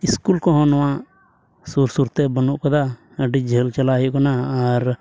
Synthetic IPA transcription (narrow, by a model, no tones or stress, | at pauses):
iskulkɔɦɔ̃nɔwãʔ | suɾsuɾt̪ɛbənuʔkɐd̪a | əɖid͡ʒʱelt͡ʃɐlajuʔkɔnaːɾ